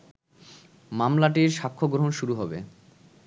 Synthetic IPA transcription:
mamlaʈ̬iɾʃakʰːoɡɾoɦonʃuɾuɦɔbḛ

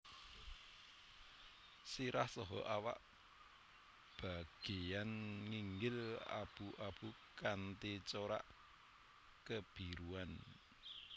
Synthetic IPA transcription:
siɾahsɔɦɔ̰ʔawa̰ʔ | b̥a̤ɡ̥ejanŋiŋɡɪla̰b̥uʔab̥ukant̪it͡ʃoɾa̰ʔ | kəb̥i̤ɾuan

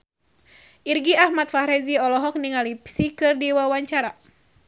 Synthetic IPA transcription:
ʔirɡiahmat̪̚fahɾɛziɔlɔɦɔk̚niŋalipsikɨrdiwawaɲt͡ʃaɾa

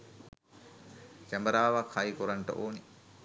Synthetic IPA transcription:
kɛmbəɾaːʋakhajikuɾaɳʈə̰ʔoːni

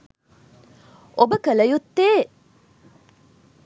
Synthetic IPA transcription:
obəkələjut̪ːeː

